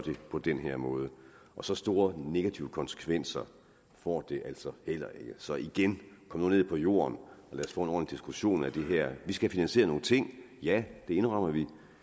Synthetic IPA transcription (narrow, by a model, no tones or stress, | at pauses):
d̥e̝pʰɒ̽d̥enɦeɐ̰mɔ̽ːð̞ˠə | ʔɒ̽sɒ̽sd̥o̝ːɐne̝ɡ̥æt͡sʰiʊəkʰɒ̽nsə̥kʰʋen̰sɐ | fɒ̰ːd̥e̝ʔæl̰sɒ̽hel̰ɐe̝ɡ̥əsɒ̽iɡ̥enkʰɒmənoːnḛpʰɒ̽jo̝̰ːɐnɒ̽lɛ̰ːsfɒ̰ːenɒ̰ːnid̥isɡ̥uɕo̝̰ːnæd̥e̝ɦɛɐ̰ʋisɡ̥æfinænse̝ːɐno̝ːn̩t͡sʰe̝ŋ̰ | jæd̥e̝e̝nʁɑm̰ɐʋi